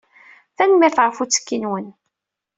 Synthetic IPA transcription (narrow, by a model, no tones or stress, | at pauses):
θænmɪɾθʁəfut͡sːə̥kːinwən